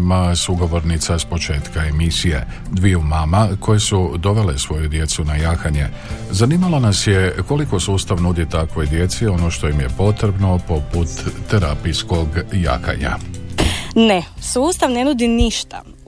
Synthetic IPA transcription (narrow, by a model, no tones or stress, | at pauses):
masuɡo̞ʋo̞ɾnit̪saspo̞t͡ʃe̞ːt̪kae̞misije̞ | d̪ʋiumaːmakʰo̞je̞sud̪o̞ʋe̞le̞sʋo̞jud̪je̞t̪sunajaːxaɲe̞zaniːmalonasje̞ko̞liko̞suːst̪aʋnud̪it̪akʋo̞jd̪je̞t̪sio̞no̞ʃt̪o̞jimje̞po̞t̪ɾebno̞po̞put̪ːeɾapijsko̞ɡja̰ːka̰ɲa̰ | nesuːst̪aʋnenud̪iniʃt̪a̰